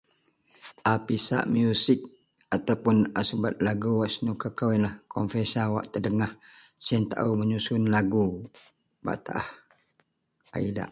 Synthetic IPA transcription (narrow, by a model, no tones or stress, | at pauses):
ʔapisa̰ʔmjusɪk̚ | at̪awpʊnasubat̪̚laɡuwaʔsənukəkawɛnlahkʰɔnfesawa̰ʔt̪ədəŋahsiant̪a̰ʔuməɲusʊnlaɡu | ba̰ʔt̪aʔah | a̰ida̰ʔ